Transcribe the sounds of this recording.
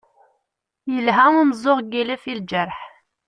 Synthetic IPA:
jəlɦæŋəmzˤoʁɡiləfild͡ʒæɾħ

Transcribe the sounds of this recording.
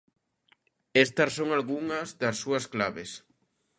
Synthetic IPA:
est̪ɐssoŋalɣuŋɐzðɐsːuɐsklaβes

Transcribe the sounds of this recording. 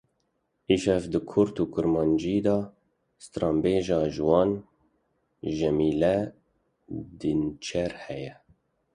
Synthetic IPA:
iʃɛvd̪ɨkʰʊɾt̪uːkʊɾmɑːnd͡ʒid̪ɑː | st̪ɾɑːmbeːʒɑːʒɨwɑːn | ʒɛmiːlɛ | d̪int͡ʃʰɛɾhɛjɛ

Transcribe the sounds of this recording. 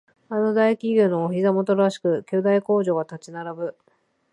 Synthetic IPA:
ano̞d̪aikʲiɡʲonoːçizamo̞t̪oɾaɕi̥kɯ̟kʲoːd̪aiko̞ːʑo̞ːɡat̪at͡ɕinaɾabɯ̟

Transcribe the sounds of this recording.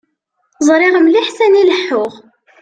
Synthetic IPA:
zˤɾˤɪʁəmliħsæniləħːʊʁ

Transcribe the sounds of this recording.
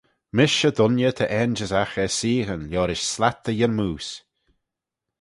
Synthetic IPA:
mɪʃəd̪ʊnjət̪ʰəʔɛnd͡ʒəzaxəsiːɣənljɔːɾɪʃslat̪ːəjənmuːs

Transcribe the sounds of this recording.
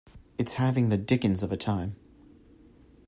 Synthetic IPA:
ɨtshævɪ̃ŋðɨdɪkɨ̃nzəvɨtʰãɪ̃m

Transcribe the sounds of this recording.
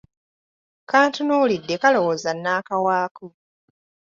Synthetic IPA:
kaːntunulidːe̞kalo̞wozanːaːkawaːku

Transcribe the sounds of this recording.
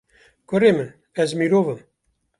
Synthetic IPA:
koɾemən | ɛzmiɾoːvəm

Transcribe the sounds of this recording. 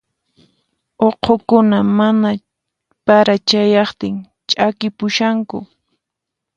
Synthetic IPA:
oqʰokʊnamana | paɾat͡ʃajɑχt̪ɪŋ | t͡ʃʼakɪpʊʃaŋkʊ̰

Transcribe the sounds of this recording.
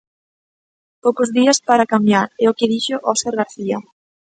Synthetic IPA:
powkozðiaspaɾakamjaɾɛokɪðiʃoʔɔseɾɣaɾθia

